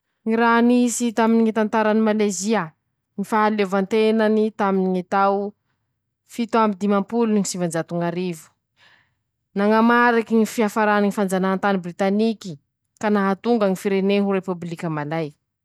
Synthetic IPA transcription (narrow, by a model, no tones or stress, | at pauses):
ŋiɾanisit̪aminiŋit̪ant̪aɾanimalajzia | ŋifaɦalevant̪enanit̪aminiŋit̪aw | fit̪uambid̪imampuluniŋisivand͡ʒat̪uŋaɾivu̥ | naŋamaɾikiŋifiafaɾaniŋifand͡zanaɦant̪anibrit̪aniki | kanaɦat̪uŋɡaŋifiɾeneɦuɾepublikʲəmalaj